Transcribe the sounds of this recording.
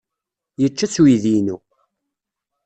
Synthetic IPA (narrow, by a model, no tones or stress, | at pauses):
jət͡ʃːæt͡suiðinu